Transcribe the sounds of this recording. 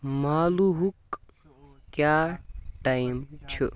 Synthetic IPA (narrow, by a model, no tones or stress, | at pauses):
maːluɦuk | kjaːʈaimt͡ɕʰu